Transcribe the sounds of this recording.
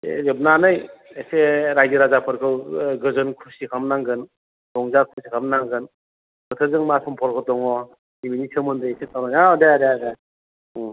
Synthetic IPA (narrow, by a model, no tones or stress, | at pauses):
ezep̚nanɯjeseɾajdiɾazapʰɯɾkʰɯwɡɯzɯnkʰusikʰamnaŋɡɯn | dɔŋzakʰusikʰamnaŋɡɯn | bɯt̪ʰɯzɯŋmasɔmpʰɔɾkʰɔtɔŋɔ | diminisʰɯmɯndɯjesetʰawnaŋadejadejada